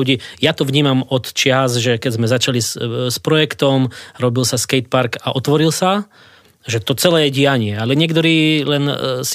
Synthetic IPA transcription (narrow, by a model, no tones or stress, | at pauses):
uɟiːjat̪ɔʋɲiːmamɔt̪t͡ʃɪazʒɛkɛzmɛzat͡ʃalisspɾɔjɛkt̪ɔmɾɔbilsaskɛjt̪̚paɾkaʔɔt̪ʋɔɾilsa | ʒɛt̪ɔt͡sɛlɛːjɛɟiaɲɪɛalɛɲɪɛkt̪ɔɾiːlɛns